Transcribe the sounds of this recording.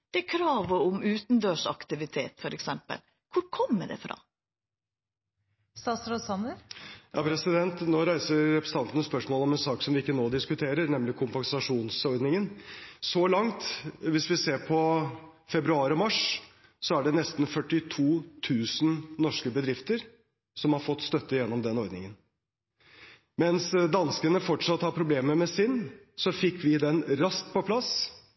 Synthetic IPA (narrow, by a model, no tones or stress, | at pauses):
d̪̥ɛkʰɾɑːʋəʊmʉːt̪nd̪øːʂɑ̰kt̪ɪʋɪt̪ʰḛːt̪fɔɾɛksɛmpə̰l | kʰʊɾkʰɔmːə̰ɖ̪ɛ̰fɾɑ̰ː | st̪ɑːsɾɔsɑnəɾjɑːpʰɾɛsɪd̪ɛnt̪noːɾæɪsəɾɛpʰɾəsɑnt̪ənəspœʂmoːlɔmɛnsɑːksɔmʋɪɪkːənoːd̪ɪskʉt̪ʰeːɾəɾnɛmlɪkʰʊmpɛŋsɑʂuːnsɔɾd̪nɪŋənsɔlɑŋt̪ʋɪsʋɪseːɾpʰɔfɛbɾʉɑːɾɔmɑʂ | sɔæɖɛnɛst̪n̩fœʈːɪt̪ʰuːt̪ʰʉːsnnɔʂkəbəd̪ɾɪft̪əɾ | sɔmhɑɾfɔt̪ːst̪œt̪ːəjɛnːɔmd̪ɛnɔɾd̪nɪ̰ŋən | mɛnsd̪ɑnskənəfɔʈʂɑt̪ːhɑɾpʰɾʊbleːməmɛsɪnː | sɔfɪkːʋɪd̪ɛnɾɑst̪pʰɔpʰlɑs